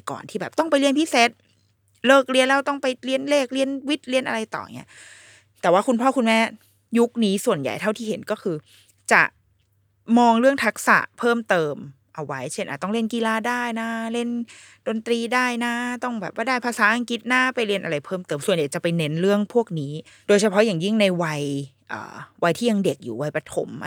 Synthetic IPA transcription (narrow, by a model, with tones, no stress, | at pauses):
kɔ̰ː˨˩nt̪ʰiː˥˩bɛː˨˩p̚t̪ɔ˥˩ŋpa˧jli˧ənpʰiː˦˥seː˨˦˥t̪̚ | lɤː˥˩k̚ɾi˧ənlɛː˦˥˩wt̪ɔ˥˩ŋpa˧jli˧ənleː˥˩k̚li˧ənwi˦˥t̪̚li˧ənʔa̰˧ɾa˧jt̪ɔ̰ː˨˩ŋi˦˥ɐʔ | t̪ɛː˨˩waː˥˩ku˧npʰɔː˥˩ku˧nmɛː˥˩ | ju˦˥k̚niː˦˥su˨˩ənja̰˨˩jt̪ʰa˥˩wt̪ʰiː˥˩he˩˦nkɔː˥˩kʰɯː˧ | t͡ɕa̰˨˩ʔ | mɔː˧ŋɾɯ˥˩əŋt̪ʰa˦˥k̚sa̰˨˩ʔpʰɤː˥˩mt̪ɤː˧m | ʔa˧wa˦˥jt͡ɕʰe˥˩nʔa̰ː˨˩t̪ɔ˥˩˧le˥˩nki˧laː˧daː˥˩jna˦˥le˥˩n | do˧nt̪ɾiː˧daː˥˩jna˦˥t̪ɔ˥˩ŋbɛ̰ː˨˩p̚wa˥˩daː˥˩jpʰaː˧saː˩˦ʔa˧ŋki˦˥t̪̚na˦˥pa˧jɾi˧ənʔa˧ɾa˧jpʰɤː˥˩mt̪ɤː˧msu˨˩ənja˨˩jt͡ɕa˨˩pa˧jne˦˥nɾɯ˥˩əŋpʰu˥˩ək̚niː˦˥ | doː˧jt͡ɕʰa˧pʰɔ˦˥jaː˨˩ŋji˥˩ŋna˧jwa˧j | ʔə̰ː˨˩wa˧jt̪ʰiː˥˩ja˧ŋde˨˩k̚jṵː˨˩wa˧jpa˧t̪ʰo̰˨˩˦m